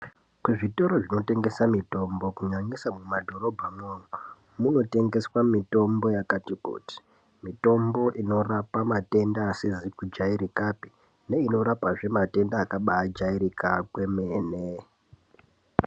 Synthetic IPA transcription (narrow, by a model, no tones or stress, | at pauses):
kuʐito̞ɾo̞ʐino̞te̞ŋɡe̞samito̞mbo̞kuɲaɲisamumadʱo̞ɾo̞bʱamoːnu | muno̞te̞ŋɡe̞swamito̞mbo̞jakatikṵːti̥ | mito̞mbo̞ʔino̞rapamate̞ndaːsizikud͡ʒaiɾikapi̥ | ne̞ino̞ɾapaʐe̞mate̞ndaːkaɓaːd͡ʒaiɾikakwe̞meːne